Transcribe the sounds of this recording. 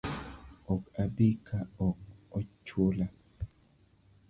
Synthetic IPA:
ɔkabikʰaɔk̚ɔt͡ʃola

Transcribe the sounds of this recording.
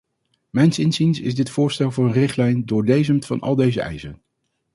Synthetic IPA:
mɛjnsɪnsinsɪ̰zdɪtfʊːɹstɛlˠvʊːɹənrɪχtlɛjndʊːɹdejzəmtfɑ̰nɑ̰lˠdejzəʔɛ̰jsən

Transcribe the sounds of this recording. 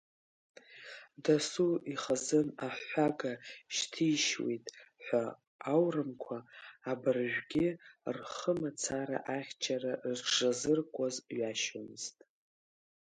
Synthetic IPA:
dasuiχazɨnaħʷaɡaʃtʰijʃwḛjtʼħʷa | awrɨmkʷʰaːbɨrʒʷᶣɡʲɪrχəmat͡sʰaɾa̰ʔaχʲt͡ʃʰaraʂazɨrkʷʼazɥaʃomɨztʼ

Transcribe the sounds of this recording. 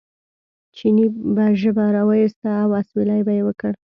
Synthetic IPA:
t͡ʃinibaʒəbaɾawajist̪aːwaswilajbajewəkəɽ

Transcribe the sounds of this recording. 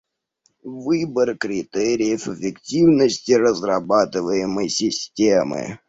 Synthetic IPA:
vɨbərkɾʲɪt̪ɛɾʲɪjəfəfʲɪktʲivnəsʲtʲɪrəzrɐbat̪ɨvəjɪməjsʲɪsʲtʲemɨ̰

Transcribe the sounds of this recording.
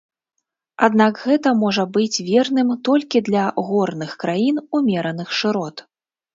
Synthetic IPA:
a̰d̪nakɣɛt̪ɐmɔʐɐbɨt͡sʲvʲɛrnɨmt̪ɔlʲkʲid̪lʲɐɣɔrnɨxkɾajinumʲɛɾɐnɨxʂɨɾɔt̪

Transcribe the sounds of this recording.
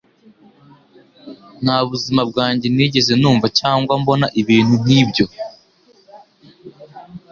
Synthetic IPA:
n̥haβuzimab̚ɡaːɲɟe̞niːɟe̞ze̞nuːɱvacaːŋɡwambo̞naʔiβiːn̥hunniːbɟo̞

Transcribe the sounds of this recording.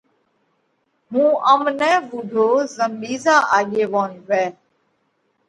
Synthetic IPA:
mũːʔəmnɛ̃ːʋʊɖʱoːzəmɓiːzaːʔaːɠeːʋoːnʋɛː

